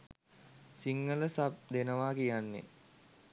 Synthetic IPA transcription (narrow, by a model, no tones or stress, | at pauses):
siŋːələsap̚d̪enəʋaːkijanːḛ